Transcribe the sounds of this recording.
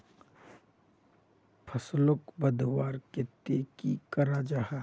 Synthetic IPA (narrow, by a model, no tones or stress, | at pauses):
pʰɐslʊkbəd̪waːɾket̪eːkikɐɾad͡ʒaha